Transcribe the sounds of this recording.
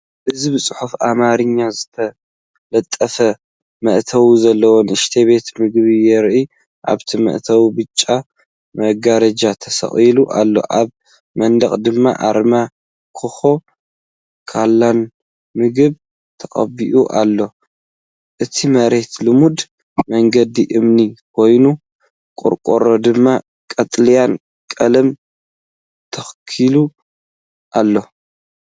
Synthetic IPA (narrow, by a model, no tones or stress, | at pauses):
ʔɨzibɨsʼɨħufamaɾɨɲːazɨt̪ʰɐ | lɐt̪ʼːɐfɐ | mɐʔt̪ʰɐwuzɐlːɐwonɨʃt̪ʰeβe̞t̪mɨɡβijɛɾʔi | ʔa̰βt̪ʰimɐ̰ʔt̪ʰɐwbɨt͡ʃʼːa | mɐɡaɾɐd͡ʒat̪ʰɐsɐ̰χʼiluʔalːo̞̰ʔaβ | mɐnd̪ɐχʼd̪ɨmːa̰ʔa̰ɾma | kʰɨxo̞ | kʰalːan | mɨɡɨβ | t̪ʰɐχʼɐ̰biʔuʔalːo̞ | ʔɨt̪ʰimɐɾe̞t̪lɨmud̪ | mɐŋɡɐd̪iʔɨmnikʰo̞jnu | kʼʊ̰ɾkʼoɾo̞d̪ɨmːa | kʼɐt̪ʼlijan | kʼɐlɐm | t̪ʰɐxkʰilu | ʔalːo̞